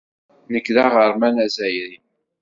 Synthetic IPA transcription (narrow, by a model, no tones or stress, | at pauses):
nəkːðaʁəɾˤmænæzæjɾi